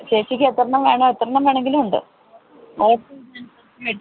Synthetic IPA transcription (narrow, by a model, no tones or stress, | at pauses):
ɕeːt͡ɕikʲːet̪ːrɐɳɐmʋeːɳoet̪ːrɐɳɐmʋeːɳeŋɡilumuɳɖɨ̰ | oːʈːunɐnɐ | e